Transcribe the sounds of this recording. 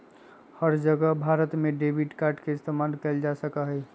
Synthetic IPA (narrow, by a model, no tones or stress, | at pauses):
həɾd͡ʒəɡəɦbʱaːɾət̪mẽɖeːbiʈkaːɾʈkeɪst̪ʰamaːlkəld͡ʒasəkaɦɛː